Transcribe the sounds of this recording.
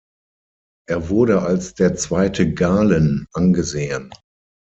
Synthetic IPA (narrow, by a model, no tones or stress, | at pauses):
ʔeːɐvʊɐɾəalsd̥eːɐt͡sv̥aɪtʰəɡaːlənʔanɡəzeːən